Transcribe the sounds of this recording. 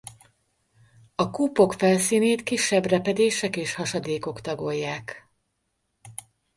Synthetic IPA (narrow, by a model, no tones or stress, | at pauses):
ɒkuːpo̞kfɛlsiːneːt̪kiʃːɛbrɛpɛd̪eːʃɛkeːʃhɒʃɒd̪eːko̞kt̪ɒɡo̞jːaːk